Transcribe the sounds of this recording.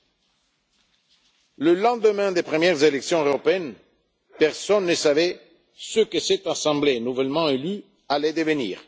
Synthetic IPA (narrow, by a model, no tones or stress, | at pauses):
ləlɑ̃d̪əmɛ̃d̪epχəmjɛʁzeleksjɔ̃øʁopeɛn | pɛʁsɔnːəsavɛ | səkəsɛt̪asɑ̃blenuvɛlmɑ̃ely | alɛd̪evenḭːʁ